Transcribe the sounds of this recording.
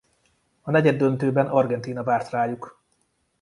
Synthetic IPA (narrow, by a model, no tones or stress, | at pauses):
ɒnɛɟɛd̪ːønt̪øːbɛnɒrɡɛnt̪iːnɒvaːrt̪raːjuk